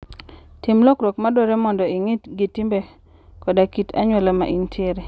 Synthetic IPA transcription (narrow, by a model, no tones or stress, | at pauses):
timlɔkɾokmadɔɾɛmɔndɔiŋitɡitimbe | kɔdakitʰa̰ɲwelama̰ʔintʰjeɾe